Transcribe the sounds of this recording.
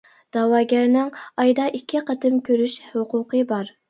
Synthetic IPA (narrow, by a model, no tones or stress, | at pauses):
d̪̥ɑwɑːɡʲæɾnɪŋɑjd̪ɑʔikʲʰːiqʰət̪ɨmkʲʰøɾyʃhʊqʰʊqʰəbɑɾ